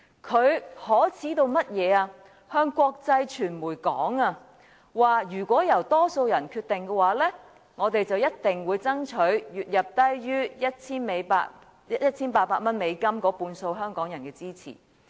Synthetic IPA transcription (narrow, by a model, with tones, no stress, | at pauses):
kʰɵ˨˧ɥhɔː˨˥t͡sʰiː˨˥t̪o˧wmɐ˥t̚jɛː˨˧aː˧ | hœː˧ŋkʷɔː˧k̚t͡sɐ˧jt͡ʃʰyː˨˩nmuː˨˩jkɔ̰ː˨˥ŋaː˧ | waː˨˩jyː˨˩kʷɔː˨˥jɐ˨˩wt̪ɔː˥so˧wjɐ˨˩nkʰyː˧t̪ːɪ˨ŋkɛː˧waː˨˥lɛː˥ | ŋɔː˨˧t̪e˨jt͡sɐ˨wjɐ˥t̚t̪ɪ˨ŋwuː˨˧jt͡sɐ˥ŋt͡ʃʰɵ˨˥ɥjyː˨t̚jɐ˨p̚t̪ɐ˥jjyː˥jɐ˥t̚t͡sʰiː˥nme˨˧jpaː˧ | jɐ˥t̚t͡sʰiː˥npaː˧t̚paː˧t̚mɐ˥nme˨˧jkɐ˥mkɔː˨˥puː˧nso˧wɦœː˥ŋkɔː˨˥ŋjɐ˨˩nkɛː˧t͡siː˥t͡sʰḭ˨˩